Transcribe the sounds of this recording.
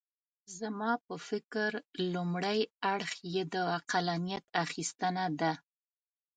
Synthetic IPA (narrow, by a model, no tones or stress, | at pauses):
zamɑpəfɪkɾlumɽəjaɽxjed̪əaqalanijat̪axist̪ənad̪a